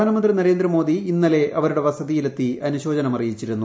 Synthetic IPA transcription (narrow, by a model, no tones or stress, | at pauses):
aːnɐmɐnd̪rinɐɾeːnd̪rɐmo̞ːd̪iːnːɐle̞ʔɐʋɐɾuɽe̞ʋɐsɐðijilet̪ːiɐnuɕo̞ːd͡ʑɐnɐmɐrijit͡ɕːiɾunːu